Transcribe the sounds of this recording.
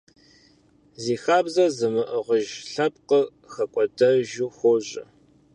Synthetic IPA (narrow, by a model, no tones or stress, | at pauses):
ziːxaːbzɐzɨmɨʔəʁəʒɬɐp̚ʼqə | xɐkʷʼɔdɐʒuːxʷoʑɐ̰